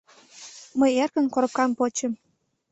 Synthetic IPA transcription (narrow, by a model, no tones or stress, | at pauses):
məjerkənkoɾə̆p̚kɑmpot͡ɕə̆m